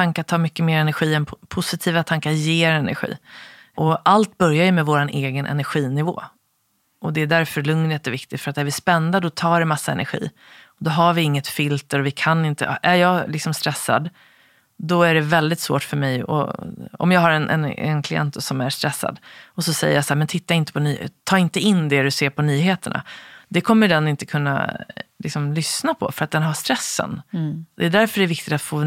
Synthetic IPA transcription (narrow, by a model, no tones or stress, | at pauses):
aŋkat̪ʰɑːɾmʏkːəmeːɾɛnæɾɧiːɛnʰpʰʊsɪt̪ʰiːvat̪ʰaŋkaɾjeːɾɛnæ̰ɾɧḭː | ʔɔʔalt̪̚bœɾjajɵmɛvoːɾanʔeːɡənʔɛ̰næɾɧiːnɪvo̰ː | ʔɔd̪ɛːd̪æɾfœɾɭɵŋnət̪ɔvɪk̚t̪ɪɡt̪fœɾat̪æɾvɪspɛnd̪ad̪ɔt̪ʰɑːɖɛmasːaɛ̰nʔæ̰ɾɧḭː | ɔd̪ɔɦaɾvɪɪŋːət̪fɪlt̪əɾɔvɪkʰanɪnt̪ə̰ʔæɾjɑːɡlɪksɔmst̪ɾɛsːa̰d̪ | d̪ɔæɖɛvɛld̪ɪt̪svo̰ːʈfœɾmɛjɔ̰ɔ̰mjɑːɡɦaɾɛnʔɛ̰nɛ̰nkʰlɪɛ̰nt̪sɔmæɾst̪ɾɛsːa̰d̪ɔsɔsɛ̰jːə̰ɾjasahːɾmɛnt̪ʰɪt̪ːaɪnt̪ə̥pʰɔnyːt̪ʰːɑːɪnt̪əɪnːd̪ɛɾɵseːɾpʰɔnyːɦeːt̪əɳa̰d̪ɛkʰɔmːəɖɛnːɪnt̪ə̥kʰɵnːa̰lɪ̰ksɔmlʏsnapʰɔ̰fœɾat̪̚d̪ɛnɦaʂst̪ɾɛsːə̰nd̪ɛːd̪æɾfœɖɛvɪk̚t̪ɪt̪at̪foː